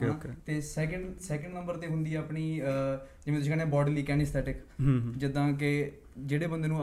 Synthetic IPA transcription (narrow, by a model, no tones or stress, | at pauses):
t̪eːsɛːkəɳɖsɛːkəɳɖnəmbəɾt̪eːɦʊnd̪iːɛaːpɳiː | d͡ʒɪʋẽːt̪s̬ĩːkɛnẽːbɔːɖliːkɛːnɪst̪ʰɛːʈɪkɦd͡ʒɪd̪ãːk̬ɪ | d͡ʒeːɽeːbənd̪eːnũː